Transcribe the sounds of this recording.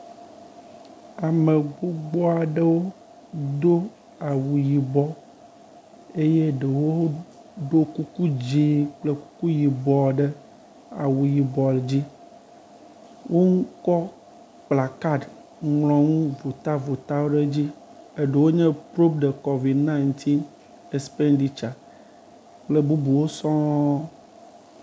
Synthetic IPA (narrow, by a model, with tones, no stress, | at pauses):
a˨me˨ɡ͡bo˦ɡ͡bɔ˦a˨ɖe˦wo˦ | d̪o˦ | a˨wu˨ji˨bɔ˨ | e˦je˦ɖə˨wo˦ | ɖo˦ku˦ku˦d͡ʑi˦k͡ple˦ku̥˦ku˦ji˨bɔ˨ɖɛ˦ | a˨wu˨ji˨bɔ˨ld͡ʑi˦ | wʔo˦ŋ̩˦kɔ˦ | k͡pla˨ka˦d | ŋlɔ̃˨ŋũ˦vo˨t̪a˦vo˨t̪a˦wo˦ɖe˦d͡ʑi˦e˦ɖe˨wo˦ɲɛ̃˦pɾo˦pɖe˨kɔ˨vi˨dnã˦i˨nt̪ʰi˦n | e˨spe˦nɖi˨t͡ʃa˨ | k͡ple˦bu˦bu˨wo˦sɔ̃˦